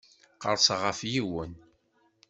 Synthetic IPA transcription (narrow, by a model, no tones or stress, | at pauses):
qə̰ɾˤsʁəfjiwən